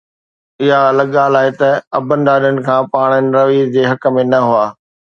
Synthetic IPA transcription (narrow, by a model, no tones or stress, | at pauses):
ɪɦaɐlɐɡːaːlaːet̪ɐɐbə̃nd̪aːɾiəɽ̃ɪ̆kʰãːpaːɽ̃ənɪ̆ɾɐʋiːzd͡ʑeːɦɐkmẽnɐɦʊaː